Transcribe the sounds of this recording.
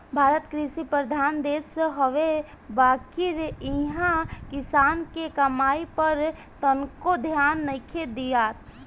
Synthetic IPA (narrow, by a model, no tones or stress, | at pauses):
bʱaːɾət̪kɾisipɾəd̪ʱaːnd̪eːsɦəʋe | baːkɪɾiɦãkɪsaːnkekəmaːipəɾ | t̪ənkod̪ʱjaːnːəɪkʰed̪ijaːt̪